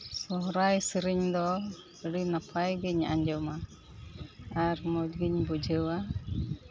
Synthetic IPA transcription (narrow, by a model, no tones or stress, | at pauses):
sɔɦɾajsəɾiɲd̪ɔ | əɽinapʰajɡiɲːa̰ʔaɲd͡ʒɔma | aɾmut̚ɡiɲbud͡ʒʱəwa